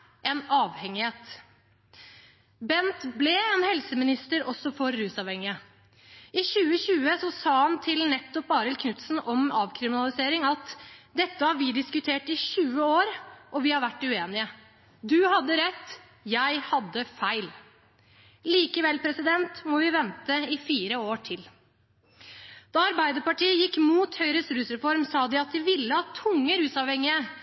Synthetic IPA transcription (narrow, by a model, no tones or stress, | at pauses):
ɛnɑːʋhɛŋɪheːt̪ | bɛnt̪blɛeːnhɛlsəmɪnɪst̪əɾɔsːɔfɔɾːʉːsɑːʋhɛŋːɪə | ɪçʉːəçʉːəsɔsɑːhɑnt̪ʰɪlnɛt̪ːɔp̚bɑːɾɪlkʰnʉt̪sn̩ɔmɑːʋkʰɾɪmɪnɑlɪseːɾɪŋɑt̪d̪ɛt̪ːəhɑɾʋɪd̪ɪskʉt̪ʰeːʈɪɕʉːəoːɾʔɔʋɪhɑɾʋæʈːʉeːnɪə | d̪ʉhɑd̪ːəɾɛt̪ː | jæɪhɑd̪ːəfæɪl | liːkəʋɛlpʰɾɛsɪd̪ɛnt̪mɔʋɪʋɛnt̪əɪfiːɾəoːʈʰɪl | d̪̥ɑɑɾbæɪd̪əɾpɑʈʰiːəjɪkːmuːt̪hœʏɾəsɾʉːsɾɛfɔɾmsɑːd̪ɪɑt̪̚d̪ɪʋɪlːəhɑt̪ʰʊŋːəɾʉːsɑʋhɛŋːɪə